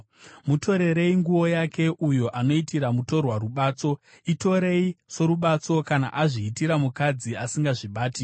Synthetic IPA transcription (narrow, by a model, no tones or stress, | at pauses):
muto̞ɾe̞ɾe̞iŋɡuwo̞jakʰe̞ʔujo̞ʔano̞itiɾamuto̞rwaɾuɓaːt͡so̞ | ito̞ɾe̞iso̞ɾuɓat͡so̞kana̰ʔaʐiːtiɾamukad͡ziasiŋɡaʐiɓaːti